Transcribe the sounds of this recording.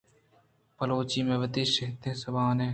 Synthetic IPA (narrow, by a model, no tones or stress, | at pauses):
pəloːt͡ʃiːmẽːʋɪt̪iʃeɦt̪ẽːsɐbʱaːneː